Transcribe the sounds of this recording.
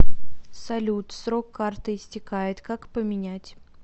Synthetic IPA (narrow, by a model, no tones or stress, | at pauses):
sɐlʲut̪sɾokːart̪ɨɪsʲtʲɪkajɪt̪kakpəmʲɪnʲætʲ